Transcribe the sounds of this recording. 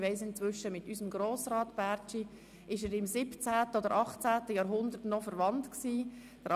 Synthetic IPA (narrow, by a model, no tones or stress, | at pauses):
ʋɛɪsɪnt͡sʋʏʃəmɪtysəmɡɾoːsɾɑːtb̥æːɾt͡ʃi | ɪʃəɾɪmsɪpt͡sæːtəɔd̪əɾʔɑχt͡sæːtəjɑːɾɦʊnd̪ətnɔfəɾʋɑntksiː | d̥əɾ